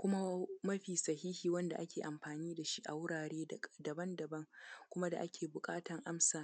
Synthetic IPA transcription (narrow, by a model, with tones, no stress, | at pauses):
kʷʊ˦ma˦mɐ˦ɸiː˨sɐ˨ɦiː˦hiː˨wɐ˦nda̰˨ʔa˦kʲʰeː˨ʔa˨mɸaː˨niː˦da˨ʃi˦ʔa˨wʊ˦ɽaː˨ɽeː˦dɐ˨bɐ˦ndɐ˨bɐ˦ŋkʷʊ˦ma˦da̰˨ʔa˦kʲʰeː˨bʊ˨kʼaː˦tɐ˨ŋʔa˦msaː˨